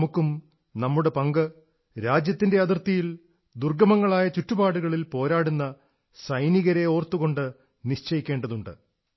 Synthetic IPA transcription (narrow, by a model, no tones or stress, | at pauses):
mukːum | nɐmːuɽe̞pɐŋɡɨ | ɾaːd͡ʑjɐt̪ːinde̞ɐðirt̪ijil | d̪urɡɐmɐŋːɐɭaːjɐt͡ɕutːubaːɽuɣɐɭilpo̞ːɾaːɽunːɐ | sɐjniɣɐɾe̞o̞ːrt̪ːuɣo̞ɳɖɨ | niʂt͡ɕɐjikʲːe̞ːɳɖɐðuɳɖɨ̰